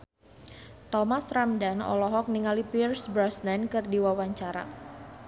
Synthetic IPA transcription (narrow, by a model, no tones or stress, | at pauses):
t̪ɔmasramdanɔ̰lɔɦɔk̚niŋalipirsbɾɔsnɛnkɨrdiwawaɲt͡ʃaɾa̰